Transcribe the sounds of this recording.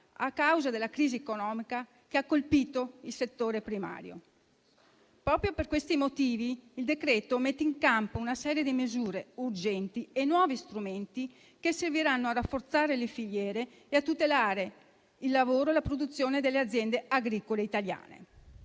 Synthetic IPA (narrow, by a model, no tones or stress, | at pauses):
a̰kːawzad̪elːakɾiːziekonɔːmika | keakːolpiːt̪oilset̪ːoːɾepɾima̰ːɾjo̰ | pɾɔːpɾjoperkwest̪imot̪iːviːld̪ekɾɛːt̪omet̪ːeiŋkampounasɛːɾjed̪imezuːɾeurd͡ʒɛnt̪ienːwɔːvist̪ɾument̪i | kesːerviɾanːoarafːort̪saːɾelefiʎːɛːɾe | eat̪ːut̪elaːɾe | ilːavoːɾoelapɾod̪ut̪sːjoːned̪elːead̪zːjɛnd̪eaɡɾiːkoleit̪alja̰ːnḛ